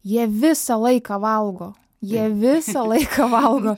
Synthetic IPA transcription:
jiɛʋʲɪsɐlˠɐɪkɐʋɐlˠɡoː | jiɛʋʲɪsɐlˠɐɪkʰɐʋɐlˠɡoː

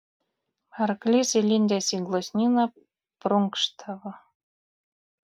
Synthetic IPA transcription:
ɑrklʲizʲelʲinʲd̪ʲæsʲiɡlˠosʲnʲinɑ | pruŋkʃt̪ʰɑβɤ̆

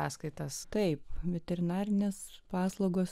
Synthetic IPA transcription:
ɑ̰ːskɐɪt̪ɐst̪ɐɪpʋʲɛt̪ʲɛɾʲɪnɑːɾʲɪnʲeːspɑːslˠɐʊɡoːs

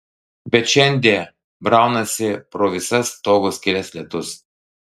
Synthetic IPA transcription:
bʲɛt̪ʃʲɛnʲd̪ʲiɛ | bɾɑˑʊnɐsʲɪpɾoːʋʲɪsɐst̪oːɡʊsʲkʲɪlʲɛsʲlʲɛt̪ʊs

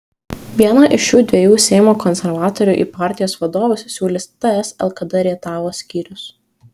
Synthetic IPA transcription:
ʋʲiɛnɐʔɪʃjuːd̪ʲʋʲiɛjuːsʲɛɪmoːkɔnʲsʲɛɾʋɑːt̪ɔɾʲʊʔḭːpɑːˑɾʲt̪ʲɪjoːsʋɐd̪oːʋʊsʲsʲuːlʲɪst̪ɐɛsɛlˠkɐd̪ɐɾʲiɛt̪ɑːʋoːsʲkʲiːɾʲʊs

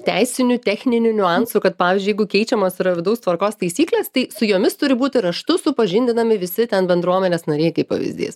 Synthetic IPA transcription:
t̪ʲæɪsʲɪnʲʊt̪ʲɛːxʲnʲɪnʲʊnʲʊɑnsukɐt̪̚pɑːʋʲɪzʲd͡ʒʲʊjɛɪɡʊkʲɛɪt͡ʃʲɛmoːsɪɾɐʋʲɪd̪ɐʊst̪ʋɐrkoːst̪ɐɪsʲiːklʲeːst̪ɐɪsʊjoːmʲɪst̪ʊɾʲɪbuːt̪ʲɪɾɐʃt̪ʊsʊpɐʒʲɪnʲd̪ʲɪnɐmʲɪʋʲɪsʲɪt̪ʲɛnbʲɛnd̪ɾuɔmʲɛnʲeːsnoːɾʲeːjkɐɪpɐ̰ʋʲɪ̰zʲd̪ʲḭːs

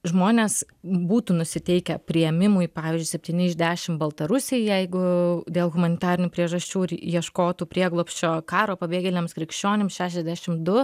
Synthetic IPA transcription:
ʒmoːnʲeːs | buːt̪uːnʊsʲɪt̪ʲɛɪkʲɛpʲɾʲɪjɛmʲɪmʊjpɑːʋʲiːzʲd͡ʒʊɪsʲɛp̚ʲt̪ʲiːnʲɪɪʒʲd̪ʲæːʃʲɪmbɐlˠt̪ɐɾʊsʲejjɛɪɡʊd̪ʲeːlˠɣʊmɐnʲɪt̪ɑːɾʲɪnʲuːpʲɾʲiɛʒɐsʲt͡ʃʲuːɪɾjiɛʃkoːt̪uːpʲɾʲiɛɡlˠoːpʲsʲt͡ʃʲoːkɑːɾoːpɐbʲeːɡʲɛlʲɪnʲeːmskɾʲɪkʃʲt͡ʃʲoːnʲemsʃʲæːʃʲɛzʲd̪ʲæʃʲɪmd̪ʊ

